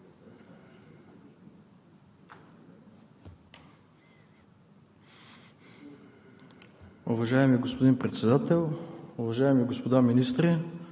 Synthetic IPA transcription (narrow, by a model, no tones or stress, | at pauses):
ʊvɐʒaɛmiɡospod̪inpɾɛt̪sɛd̪at̪ɛlˠʊvɐʒaɛmiɡospod̪aminist̪ɾi